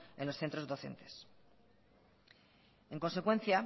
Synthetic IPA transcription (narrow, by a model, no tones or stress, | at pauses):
e̞nlosθe̞nt̪ɾo̞zðo̞θe̞̰nt̪e̞̥s | ẽ̞ŋko̞nse̞kwẽ̞n̟θja